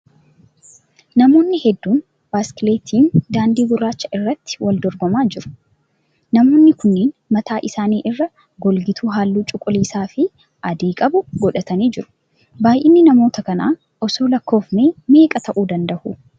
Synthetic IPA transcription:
nɐmo̞ːnːɪhɛd̪ːuːn | b̥aːskleːt̪ʰiːnd̪aːnd̪iːɡʊɾːaːt͡ʃːɐʔɪrːɐt̪ːɪ̥wɐld̪ɔɾɡɔmaːd͡ʒɪɾʊ̥ | nɐmo̞ːnːɪkʊnːeːnmɐt̪aːʔɪsaːniːʔɪrːɐ | ɡɔlɡɪt̪ʰuːɦaːlːuːt͡ʃʼʊkʼːʊliːsaːfɪ | ɐd̪eːkʼɐbʊɡɔᶑɐt̪ɐniːd͡ʒɪɾʊ̥ | baːjʔɪnːɪnɐmo̞ːt̪ɐkɐna̰ː | ʔɔsoːlɐkːo̞ːfneːme̞ːkʼɐt̪ɐʔuːd̪ɐnd̪ɐʔʊ

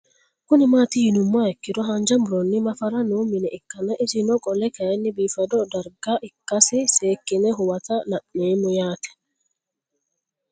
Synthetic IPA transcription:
kʊnɪmaːt̪ijinʊmːaɛkːɪdɔɦɐnd͡ʒɐmʊɾɔnːɪmɐfɐɾɐnuːmɪnɛɛkːɐnɐʔɪsɪnɔkʼɔlɛkɐjɛnːɪbiːfɐdɔd̪ɐɾɡaʔɪkːɐsɪseːkːɪnɛɦʊwɐt̪ɐnɐʔneːmʊjaːt̪ɛ̥

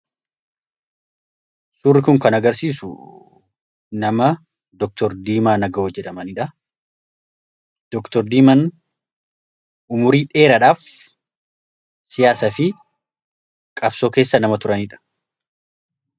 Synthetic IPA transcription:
sʊːrːɪkʊŋkɐnɐɡɐɾsiːsʊ̰ | nɐmɐ | d̪ɔk̚t̪ɔɾd̪iːmaːnɐɡɐɔd͡ʒːɛᶑɐmɐnɪᶑɐ | d̪̥ɔkt̪ɔɾd̪iːmɐn | ʊmʊɾiːᶑe̞ːɾɐᶑaːf | sɪjaːsɐfɪ | kʼɐbsoːke̞ːsːɐnɐmɐt̪ʊɾɐniᶑɐ̥

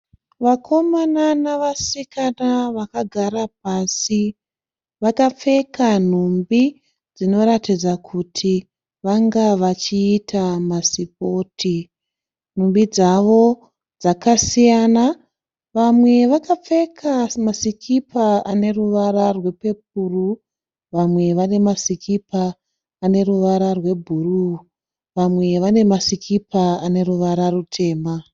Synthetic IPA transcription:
ʋakʰo̞mananaʋasikanaʋakaɡʱaɾap̚asi | ʋakap͡fe̞kan̤umbi | d͡zino̞ɾatid͡zakʰutʰi | ʋaŋɡaʋat͡ʃiːtʰamasip̚o̞ːtʰi | n̤umbid͡zaʋo̞ | d͡zakasijana | ʋamwe̞ʋakap͡fe̞kʰamasikʰipʰaane̞ruʋaɾarwe̞pe̞p̚uru | ʋamwe̞ʋane̞masikʰipaː | ne̞ɾuʋaɾarwe̞bʱuru | ʋamwe̞ʋane̞masikʰipʰaane̞ɾuʋaɾarutʰe̞ːma

